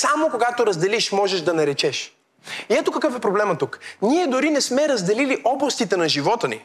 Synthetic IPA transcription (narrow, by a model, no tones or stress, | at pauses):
samokoɡat̪oɾɐzd̪ɛliʃmɔʒɛʒd̪ɐnɐɾɛt͡ʃɛʃ | iɛt̪okɐkɤfɛpɾoblɛmɐt̪ukniɛd̪ʊɾinɛsmɛɾɐzd̪ɛliliʔɔblˠɐst̪it̪ɛnɐʒivɔt̪ənḭ